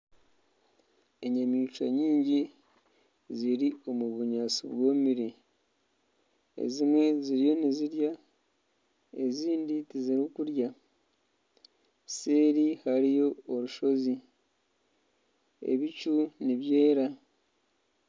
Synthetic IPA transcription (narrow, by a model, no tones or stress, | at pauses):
e̞ɲamiːt͡ʃwaɲiːɲɟi | ziɾio̞muβuɲaːsiβwoːmiɾe | ḛzimwe̞ziɾijo̞niziɾja | eziːnditiziɾukuɾja | seːɾihaɾijo̞ːɾuʃo̞zi | ḛβit͡ʃuniβje̞ːɾa